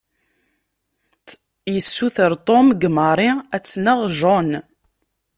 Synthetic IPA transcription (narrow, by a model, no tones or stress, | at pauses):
jəsːuθəɾt̪ˤomɡməɾˤiæt͡sːnəʁʒɔn